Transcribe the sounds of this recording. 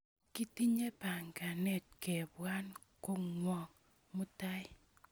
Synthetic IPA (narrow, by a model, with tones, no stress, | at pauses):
ki˦ti˦ɲe˦pa˨ŋka˨ne˦˨t̚ke˨bwa˦n | ko˦ŋwɔ˨ŋ | mʊ˦ta˦j